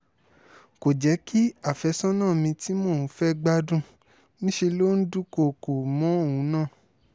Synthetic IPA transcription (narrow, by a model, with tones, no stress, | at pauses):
ko˨d͡ʒɛ˨˦ki˦a˦˨fɛ˧sɔ̃˦nãː˦˨mĩ˧ti˨˦mo˦˨˦fɛ˦ɡ͡ba˦dũ˦˨ | nĩ˦ʃe˧lo˦n̩˦du˦ko˧˨ko˨mɔ̃˨˦o˦˨wũ˨˦nãː˦˨